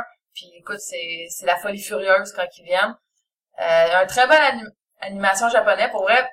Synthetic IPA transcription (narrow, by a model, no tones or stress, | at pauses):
pʰiekʊt̪sɛsɛlafɔlifyʁjø˞z̥kɑ̃kʲivjɛn | øjaɛ̃t̪χɛbɔnaim | animasjɔ̃ʒapɔnɛpʊʁvʁɛ